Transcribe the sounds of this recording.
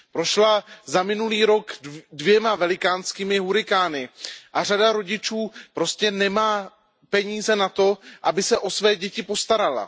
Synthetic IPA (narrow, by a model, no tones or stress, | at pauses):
pɾo̞ʃlazamɪnuliːɾo̞kdvjɛmavɛlɪkaːnskiːmɪɦuɾɪkaːnɪʔar̝adaɾo̞ɟɪt͡ʃuːpɾo̞scɛnɛmaː | pɛɲiːzɛnat̪o̞ʔabɪsɛʔo̞svɛːɟɛcɪpo̞st̪aɾala̰